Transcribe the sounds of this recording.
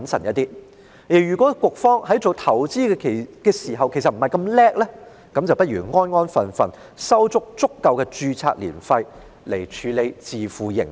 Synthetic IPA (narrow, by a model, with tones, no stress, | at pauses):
ɐ˨˥nsɐ˨˩njɐ˥t̪iː˥ | jiː˨˩jyː˨˩kʷɔː˨˥kʷʊ˨˧k̚fɔː˥ŋhɐ˨˥jt͡so˨wt̪ʰɐ˨˩wt͡siː˥kɛ˧kʰe˨˩kɛː˧siː˨˩ɦɐ˨wkʰe˨˩js̬ɐ˨t̚m̩˨˩hɐ˨jkɐ˧mlɛː˥k̚lɛ˥ | kɐ˨˥mt͡swpɐ˥t̚ɥyː˨˩ŋɔː˥nŋɔː˥nfɐ˨nfɐ˨˧n | sɐ˥wt͡sʊ˥k̚t͡sʊ˥kːɐ˨wkɛː˧t͡ʃyː˧t͡sʰa̰ː˧k̚lḭː˨˩nfɐ˧j | le˨˩jt͡ʃʰyː˨˧le˨˧jt͡siː˨fuː˨jɪ̰˨˩ŋ